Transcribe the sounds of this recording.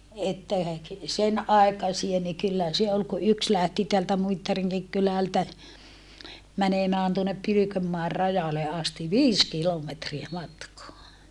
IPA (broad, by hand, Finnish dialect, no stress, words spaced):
etːæ sen ɑi̯kɑsie ni kylːæ se ol ku yks læhti teæltæ muitːɑriŋkik kylæltæ mænemæːn tuonːep pylykømːɑer rɑjɑle ɑsti ʋiːs kilometriæ mɑtkoɑ